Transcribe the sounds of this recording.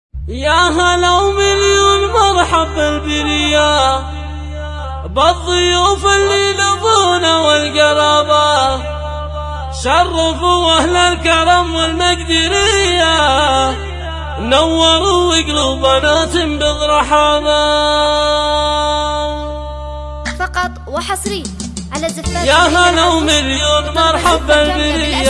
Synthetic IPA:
jaɦalawmɪljunmɑɾˤħabɪlbɪɾɪjːa | bɑðˤːɨjuːfɪlːilʊfunawɪlɡɑɾˤɑːba | ʃɑrˤːɑfuwahlalkɑɾˤɑmwɪlmaɡd̪ɪɾɪja | nawːɑɾˤuwɪɡlubanaːt̪ɪmbɪðˤɾˤɑħɑːna | ɑqɑt̪ˤwsˤɾi | jaɦalawmɪljoːnmɑɾˤħabalbɪɾɪjːa

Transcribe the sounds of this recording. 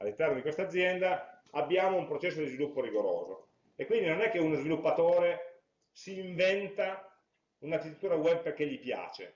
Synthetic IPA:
alːint̪ɛrnod̪ikwest̪ad̪zːjɛnd̪a | abːjaːmoumpɾot͡ʃɛsːod̪izvilupːoɾiɡoɾo̰ːzo | ekwind̪inonɛkːeunozvilupːat̪oːɾe | siːɱvɛnt̪a | unakːit̪ːet̪ːuːɾawɛb̚pːek̟eʎːipja̰ːt͡ʃḛ

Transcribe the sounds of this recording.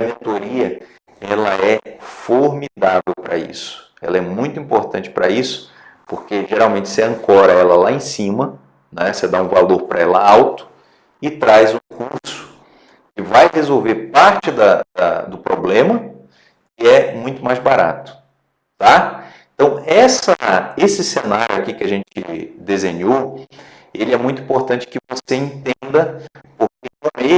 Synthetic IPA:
mẽnt̪oɾiɐ | ɛlɐɛfoɾmid̪avewpɾɐ̰ḭsʊ̥ | ɛ̰lɐɛmũj̃t̪ʊĩpoɾt̪ɐ̃nt͡ʃɪ̥pɾɐisʊ̥ | poɾkeʒeɾawmẽnt͡ʃɪseɐ̃ŋkɔɾɐɛlɐlaẽsĩmɐ | nɛsed̪aũvaloɾpɾɐɛlɐawt̪ʊ̥ | ɪt̪ɾajzũkuɾsʊ̥ | kɪvajhezowveɾpaɾt͡ʃɪd̪ɐd̪ɐ̰d̪ʊpɾoblẽmɐ | kɪɛmũj̃t̪ʊmajzbaɾa̰t̪ʊ̥ | t̪aẽt̪ɐ̃w̃ɛsɐesɪsenaɾjʊakikɪaʒẽnt͡ʃɪ̰d̪ezẽɲow | elɪɛmũj̃t̪ʊĩpoɾt̪ɐ̃nt͡ʃɪ̥kɪvoseĩnt̪ẽnd̪ɐpʊɾkekõe

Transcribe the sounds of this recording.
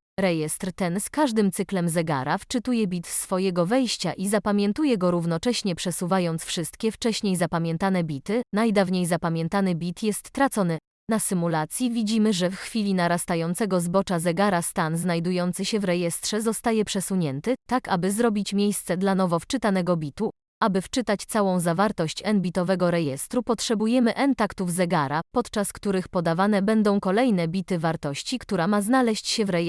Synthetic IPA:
ɾɛjɛst̪ɾt̪ɛnskaʐd̪ɘmt̪sɘklɛmzɛɡa̰ɾaft͡ʂɘt̪ujɛbʲit̪sfɔjɛɡɔvɛjɕt͡ɕa̰ʔizapamʲjɛnt̪ujɛɡɔɾuvnɔt͡ʂɛɕɲɛpʂɛsuvajɔnt̪sfʂɘst̪kʲɛft͡ʂɛɕɲejzapamʲjɛnt̪anɛbʲit̪ɘnajd̪avɲejzapamʲjɛnt̪anɘbʲit̪jɛst̪ːɾat̪sɔnɘ | nasɘmulat̪sʲjivʲid͡ʑimɘʐɛfxfʲilʲinaɾast̪ajɔnt̪sɛɡɔzbɔt͡ʂazɛɡaɾast̪anznajd̪ujɔnt̪sɘɕɛvɾɛjɛst̪ʂɛzɔst̪ajɛpʂɛsuɲɛnt̪ɘt̪akabɘzɾɔbʲit͡ɕmʲjejst̪sɛd̪lanɔvɔft͡ʂɘt̪anɛɡɔbʲit̪u | ʔabɘft͡ʂɘt̪at͡ɕt̪sawɔ̃w̃zavaɾt̪ɔɕt͡ɕɛnbʲit̪ɔvɛɡɔɾɛjɛst̪ɾupɔtʂɛbujɛmɘʔɛnt̪akt̪uvzɛɡaɾapɔt̪t͡ʂaskt̪uɾɘxpɔd̪avanɛbɛnd̪ɔ̃w̃kɔlɛjnɛbʲit̪ɘvaɾt̪ɔɕt͡ɕikt̪uɾamaznalɛɕt͡ɕɕɛvɾɛj

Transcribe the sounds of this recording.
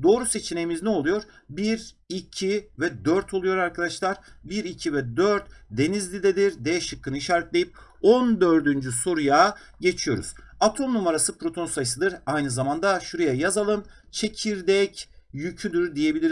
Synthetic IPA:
d̪o̞ːɾuse̞t͡ʃʰine̞jimiznɛo̞lˠujo̞ɾ | biɾ | icʰivɛd̪øɾt̪ʰo̞lˠujo̞ɾaɾkʰad̪aʃlˠaɾbiɾicʰivɛd̪øɾt̪d̪e̞nizlʲid̪ɛd̪iɾd̪ejɛʃɯkʰːɯnɯiʃaːɾɛt̪lʲe̞jip̚ | o̞nd̪ø̞ɾd̪ynd͡ʒyso̞ɾuja | ɟe̞t͡ʃʰijo̞ɾṵz̥at̪ʰo̞mnumaɾasɯpɾo̞t̪ʰo̞nsajs̬ɯd̪ɯɾajnɯzamand̪aʃuɾejɛjazalˠɯn | t͡ʃʰe̞cʰiɾd̪ɛcjycʰyd̪yɾd̪ije̞bilʲiɾ

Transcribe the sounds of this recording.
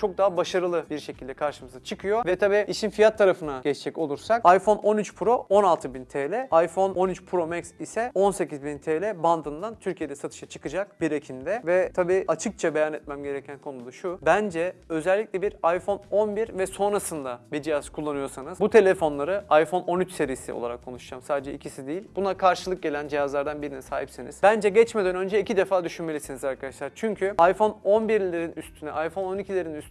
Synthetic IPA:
t͡ʃʰo̞k̚d̪aɦabaʃaɾɯlˠɯbiɾʃe̞cʰilʲd̪ɛkʰaɾʃɯmɯzat͡ʃʰɯkʰɯjo̞vɛt̪ʰabiːiʃinfijat̪ʰːaɾafɯnaɟɛt͡ʃd͡ʒɛco̞lˠuɾsak̚ajfo̞no̞nyt͡ʃpʰɾo̞o̞nalˠt̪ʰɯbint̪ʰeːlʲɛajfo̞no̞nyt͡ʃpʰɾo̞mɛksisɛo̞nse̞cizbint̪ʰeːlʲɛband̪ɯnd̪ant̪ʰyɾcʰije̞d̪ɛsat̪ʰɯ̥ʃat͡ʃʰɯ̥kɯd͡ʒak̚biɾecʰimd̪ɛvɛt̪ʰabiːʔat͡ʃʰɯk̚t͡ʃʰabe̞janɛt̪̚mæmɟe̞ɾecʰænkʰo̞nud̪aʃubænd͡ʒɛø̞zɛlʲːicʲlʲɛbiɾajfo̞no̞nbiɾvɛso̞nɾasɯnd̪abiɾd͡ʒijazkʰulˠːanɯjo̞ɾsanɯzbut̪ʰe̞lʲefo̞nlˠaɾɯajfo̞no̞nyt͡ʃse̞ɾijːsḭo̰aɾakʰːo̞̰nuʃd͡ʒaːmsaːd̪ed͡ʒɛicʰisid̪ijilʲbunakʰaɾʃɯlˠɯk̚ɟe̞lʲænd͡ʒijazlˠaɾd̪anbiɾinɛsaːɦipsiniz̥bænd͡ʒɛɟɛt͡ʃmed̪ænø̞nd͡ʒɛicʰid̪efaːd̪yʃynmelʲisinizaɾkʰad̪aʃlˠaɾt͡ʃʰyɲcʰyajfo̞no̞nbiɾlʲeɾinyst̪ʰynɛʔajfo̞no̞nicʰilʲeɾinys

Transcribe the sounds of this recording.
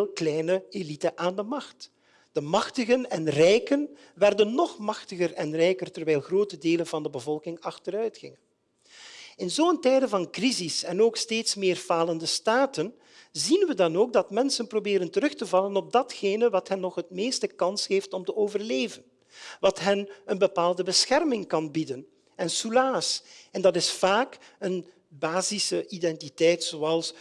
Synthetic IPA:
lˠklɛjnəelitəʔaːndəmɑxt | d̥əmɑxtəɣənɛnrɛjkən | ʋɛrdənːɔχmɑxtəɣərɛnrɛjkərtərʋɛjlˠxroːtədeːlənvɑndəbəvɔlˠkɪŋɑxtəɾœɥtxɪ̰ŋən | ɪnzoːəntɛjdəvɑnkrizisɛnoːksteːtsmɪːrv̥aːləndəstaːtən | zinʋədɑnoːɡ̚dɑtmɛnsənprobɪːɾəntəɾɵxtəvɑlənɔb̚dɑtxeːnəʋɑtɦɛnːɔxɦət̚meːstəkɑnsheːftɔmtəoːvərleːvən | ʋɑtɦɛnənbəpaːlˠdəbəsxɛrmɪŋkɑnbidən | ɛnsulaːsɛndɑtɪsfaːkən | baːzisəʔidɛntitɛjtsoːɑlˠs

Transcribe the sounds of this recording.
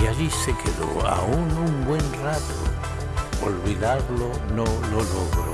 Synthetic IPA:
aɾisekʰelo̰a̰unumbwe̞nrat̪o̰ | o̰lβiðaɾlo | nololoɣɾo̰

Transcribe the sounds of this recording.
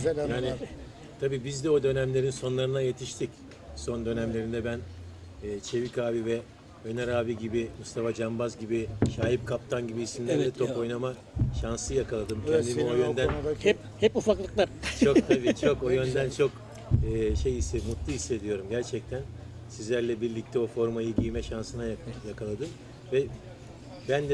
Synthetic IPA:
jaːni | t̪ʰabiːbizd̪ɛo̞d̪ø̞næmlʲe̞ɾinso̞nlˠaɾɯnaje̞t̪ʰiʃt̪ʰic | so̞nd̪ø̞næmlʲe̞ɾind̪ɛbænː | t͡ʃʰe̞vikʰaːvivɛ | ønɛɾaːbiɟibimust̪ʰafad͡ʒambazɟibiʃaːjip̚kʰap̚t̪ʰanɟibiːsimlʲæɾd̪ɛt̪ʰo̞po̞jnama | ʃansɯjakʰalˠad̪ɯmcʰɛnd̪imiojønd̪ænhɛp | hɛpufaklˠɯklˠaɾt͡ʃʰot̪ʰabit͡ʃʰokojø̞nd̪ænt͡ʃʰo̞k | ɯːʃe̞jisemut̪lˠuɦisːe̞d̪ijo̞ɾumɟæɾt͡ʃʰɛc̚t̪ʰæn | sizlʲæɾlʲɛbiɾlʲic̚t̪ʰɛo̞fo̞ɾmajɯɟijmɛʃansɯnajajakʰalˠad̪ɯm | vɛ | bænd̪ɛ

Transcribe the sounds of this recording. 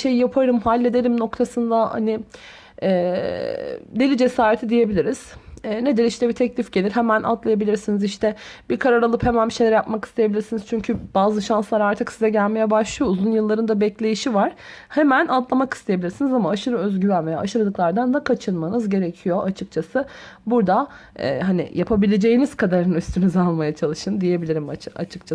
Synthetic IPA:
ʃe̞jijapʰaɾɯmɦalʲːe̞d̪e̞lʲimno̞kt̪ʰasɯnd̪aha̰nɪ | ɛː | d̪e̞lʲid͡ʒe̞saːɾet̪ʰid̪ije̞bilʲiɾiz̥ːne̞d̪liʃt̪ʰɛbit̪ʰɛclʲifɟelʲiɾɦemænʔa̰t̪lˠajabilʲiɾsiniziʃt̪ʰɛb̥iɾkʰaɾaɾalˠɯphe̞mænbiʃejlʲɾɛjapmaki̥st̪ʰejebilʲiɾsiniz̥t͡ʃʰyɲcʰyb̥aːzɯʃanslˠaɾaɾt̪ʰɯksizɛɟælʲme̞jɛbaʃlˠɯjouzunjɯlˠːaɾɯnd̪abɛclʲe̞jiʃivaɾ̥ | hemænant̪lˠamaki̥st̪ejbilʲiɾsinizamaːʃɯɾɯøzɟyvænve̞ja̰ːʃɯɾad̪ɯklˠaɾd̪anːakʰat͡ʃʰɯnmanɯzɟe̞ɾecʰijo̞ʔat͡ʃʰɯk̚t͡ʃʰasɯbuɾd̪a | ɛ̰ːɦanḭjapʰabilʲe̞d͡ʒe̞jiniz̥kʰad̪aɾɯnyst̪ʰynyzalˠmajat͡ʃʰalˠɯʃɯnd̪ije̞bilʲiɾimaa̰t͡ʃʰɯ̥k̚t͡ʃʰa

